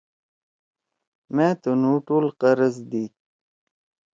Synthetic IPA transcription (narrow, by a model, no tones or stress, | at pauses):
mẽːt̪unuːʈuːlqəɾəzd̪i